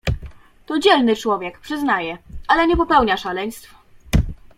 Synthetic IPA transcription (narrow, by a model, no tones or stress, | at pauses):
t̪ɔd͡ʑɛlnɘt͡ʂwɔvʲjɛkpʂɘznajɛalɛɲɛpɔpɛwɲaʂalɛɲst̪f